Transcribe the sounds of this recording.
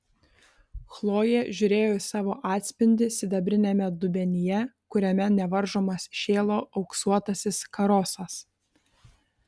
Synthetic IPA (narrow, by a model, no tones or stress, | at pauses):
xlˠoːjeːʒʲʊɾʲeːjoːɪsɑːʋoːʔɑːt̪ʲsʲpʲɪnʲd̪ʲɪsʲɪd̪ɐbʲɾʲɪnʲɛmʲɛd̪ʊbʲɛnʲɪjɛkʊɾʲɛmʲɛnʲɛʋɐɾʒoːmɐsʃʲeːlˠoːʔɒʊksuɔt̪ɐsʲɪskɐɾɔːsɐs